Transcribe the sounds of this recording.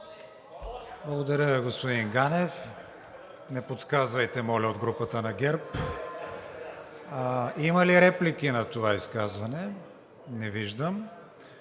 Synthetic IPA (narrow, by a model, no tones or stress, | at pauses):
blˠɐɡod̪ɐɾʲəiɡospod̪inɡanɛf | nɛpot̪kazvɐjt̪ɛmɔlʲɛod̪ɡɾupət̪ənɐɡʲɛɾp | imɐliɾɛplik̟inɐt̪ovaiskazvɐnɛ | nɛviʒd̪əm